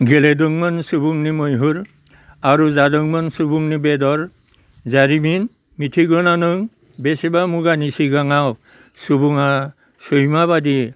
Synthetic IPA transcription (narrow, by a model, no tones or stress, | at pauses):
ɡeledɔŋmansubuŋnimɔjɦuɾ | aɾuzadɔŋmansubuŋnibɛdɔɾ | zaɾimin | mitʰiɡɔnanɯŋ | besebamuɡanisiɡaŋaw | subuŋa | sujmabadi